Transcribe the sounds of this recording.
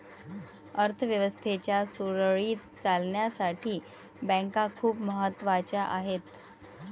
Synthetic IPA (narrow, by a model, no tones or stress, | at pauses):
əɾt̪ʰəʋjəʋəst̪ʰet͡ɕjasuɾəɭiːt̪ | t͡salɳjasaʈʰiː | bə̃ŋkakʰuːpməɦət̪ːʋat͡ɕaʔaɦet̪